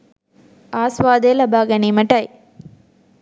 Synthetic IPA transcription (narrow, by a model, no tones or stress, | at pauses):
aːsʋaːd̪eːlɐbaːɡɐnimɐʈːɐɪ